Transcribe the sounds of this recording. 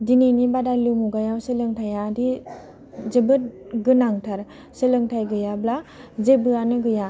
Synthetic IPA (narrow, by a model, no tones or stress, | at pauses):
dinenibadalɯmuɡajawsɯlɯŋtʰajadi | zɯbɯt̚ɡɯnaŋtʰaɾ | sɯlɯŋtʰajɡɯjablazebɯanɯɡɯja